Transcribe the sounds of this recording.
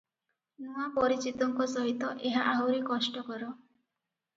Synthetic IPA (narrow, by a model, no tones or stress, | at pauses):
nuapɔɾit͡ʃit̪ɔŋkɔsɔɦit̪ɔʔeɦaʔawɾekɔsʈɔkɔɾɔ